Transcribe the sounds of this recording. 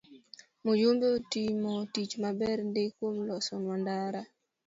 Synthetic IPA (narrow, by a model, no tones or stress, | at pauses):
mod͡ʒombotimɔtit͡ʃmabɛɾndekwomlɔsɔnwandaɾa